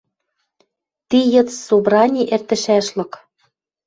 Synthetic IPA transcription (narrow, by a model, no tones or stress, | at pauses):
t̪ijɤ̆t͡ssobɾɑnʲiʔert̪ɘ̆ʃæʃlɤ̆k